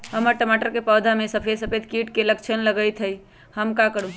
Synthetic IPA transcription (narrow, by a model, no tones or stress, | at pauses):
həməɾʈəmaʈəɾkepəd̪ʱamesəpʰesəpʰed̪kiʈkeləkt͡ʃʰənləɡəjt̪ʰɦəj | həmkakəɾũ